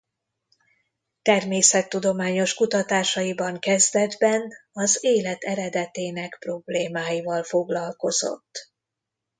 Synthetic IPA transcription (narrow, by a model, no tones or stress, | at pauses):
t̪ɛrmeːsɛt̪ːud̪o̞maːɲo̞ʃkut̪ɒt̪aːʃɒjibɒŋkɛzd̪ɛd̪bɛnɒzeːlɛt̪ɛɾɛd̪ɛt̪eːnɛkpro̞bleːmaːjivɒlfo̞ɡlɒlko̞zo̞̰t̪ː